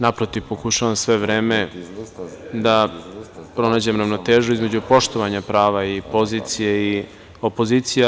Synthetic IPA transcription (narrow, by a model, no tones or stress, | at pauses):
napɾo̞t̪iʋpo̞kuʃaʋamsʋe̞ʋɾe̞ːme̞ | d̪a | pɾo̞naːd͡ʑemɾaʋno̞t̪e̞ːʒuizme̞d͡ʑupo̞ʃt̪o̞ʋaɲapɾaːʋaipo̞ziːt̪sijei | o̞po̞ziːt̪sija